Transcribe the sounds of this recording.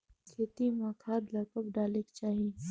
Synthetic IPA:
set̪imaːkʰaːd̪lɐkɐbɖaːlekt͡ʃaːɦi

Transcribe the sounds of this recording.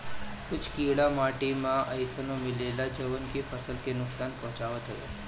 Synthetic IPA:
kʊt͡ʃʰkiɽamaʈimãʔə̰jsənomɪlelad͡ʒəʋənkifəsəlkenʊksanpɔ̃ɦt͡ʃaʋət̪ɦət̪o̰

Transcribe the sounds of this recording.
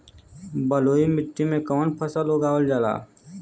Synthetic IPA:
bəloːimɪʈːimẽkɔːnpʰəsaloːɡaːʋəld͡ʒala̰ː

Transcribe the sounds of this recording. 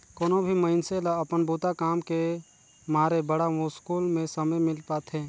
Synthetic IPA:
koːnõbʱiməɪnselaɐpənbʱuːt̪akaːmke | maːɾebəɽaʋõskuːlmẽsəməjmɪlpaːt̪ʰɦɛ̃ː

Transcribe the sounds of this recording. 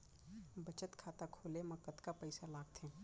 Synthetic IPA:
bət͡ʃət̪kʰaːt̪akʰoːleməkət̪kapəɪsalaːɡt̪ʰe

